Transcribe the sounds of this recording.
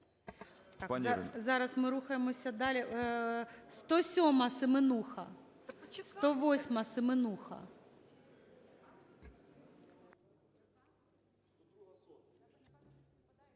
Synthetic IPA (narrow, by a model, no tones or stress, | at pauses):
pzɑɾɐsmɪɾuxɐjemɔsʲɐd̪ɑlʲi | st̪ɔsʲɔmɐsɪmɪnuxɐ̰ | st̪ɔʋɔsʲmɐsɪmɪnuxɐ̰